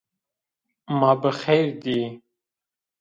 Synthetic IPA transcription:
mabəxejɾd̪i

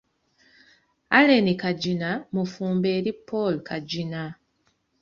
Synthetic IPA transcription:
alenikaɟinamufuːmbeɾipolkʰaɟina

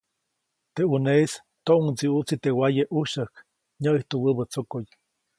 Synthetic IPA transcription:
t̪euneis | t̪oʔuŋt͡siut͡sit̪ewajeʔuʃəhk | ɲəiht̪uwəbət͡sokoj

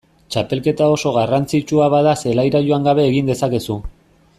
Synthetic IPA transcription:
t͡ʃape̞lke̞t̪ao̞so̞ɣarant͡sit͡ʃuaβaðase̞lajɾajoaŋɡaβe̞ːɣind̪e̞sake̞su

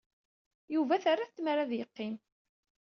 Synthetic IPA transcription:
juvæθarːaθt͡s̪ːmɾaðjəqːim

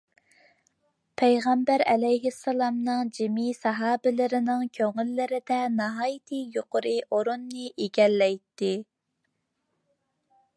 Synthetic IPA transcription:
pʰæjʁɛmbæɾɛlɛjɦɪsːɑlˠɑmnɨŋd͡ʒɪmisɑɦɑːbɪlɪɾɪnɪŋkʲʰøŋɪlːɪɾɪd̪ɛnɑɦɑːjit̪ʰɨjoqʊɾɨʔoɾunːɨʔeɡʲɛlːɛjt̪ːɪ

